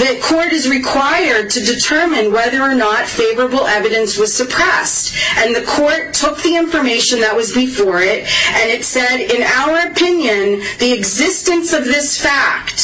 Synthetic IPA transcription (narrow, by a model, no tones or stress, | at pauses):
ðɨkʰɔɹɾɨzɹɨkʰw̥aɪə˞d̚tʰɨdɨtʰɜ˞mɨ̃nwɛðə˞ːnətfeɪvə˞əbl̩ˠɛvɨɾɨ̃nswʌz̥sɨpʰɹ̥ɛstɨ̃nðɨkʰɔɹtʰːʊk̚ðiɪ̃ɱfə˞meɪʃɨ̃nðət̚wʌzbɨfɔɹɪɾɨ̃nɨtsɛɾɪ̃naʊə˞ɨpʰɪ̃njɨ̃nðiɨɡzɪstɨ̃nsʌvðɪsfæk̚t̚